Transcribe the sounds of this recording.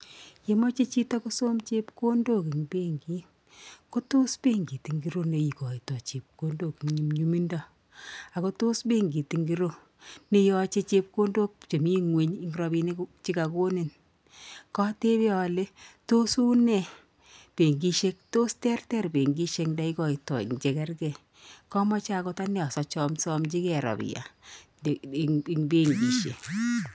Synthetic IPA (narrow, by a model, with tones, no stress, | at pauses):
je˨mɔ˦t͡ʃe˦t͡ʃi˦ta˦ko˦so˦mt͡ʃe˦pko˦ndo˦ki˨ŋpe˦ŋɡi˦ | ko˦to˦spe˦ŋɡi˨ti˨ŋɡi˨ɾo˦ne˨i˨kɔ˨i˨tɔ˨t͡ʃe˨p̚ko˦ndo˦ki˨ŋɲi˨mɲu˦mi˦ndɔ˦ | a˨ko˦to˦sbe˦ŋɡi˨ti˨ŋɡi˦ɾo˦ | ne˦jɔ˦t͡ʃe˦t͡ʃe˦p̚ko˦ndo˦k̚t͡ʃe˨mi˦ŋwe˦ɲi˦ŋɡiɾɔ˦bi˦ne˦kt͡ʃi˦ka˨ko˦ne˨n | kɔ˦te˦be˦ɔ˨le˦to˦su˦nɛ˨ | pe˨ŋɡi˦ʃe˦k̚to˦stɛ˦rtɛ˦rbe˨ŋɡi˦ʃe˨knda˦i˦kɔ˨i˨tɔ˨ḭŋd͡ʒɛ˨kɛ˦rɡɛ˨ | kɔ˦mɔ˦t͡ʃa˦˨kɔ˦ta˦nɛ˦ɔ˨sɔ˨t͡ʃɔ˦msɔ˦mt͡ʃi˦kɛ˨ɾɔ̰˨bḭ˨ja̰˨ | ŋbe˦ŋɡi˨ʃḛ˨